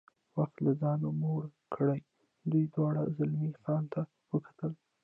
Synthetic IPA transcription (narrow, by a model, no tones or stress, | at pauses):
waxt̪lazɑnomoɽkʰəɽaj | d̪ujd̪wɑɽa̰zalmixɑnt̪ʰa | wəkḁt̪əl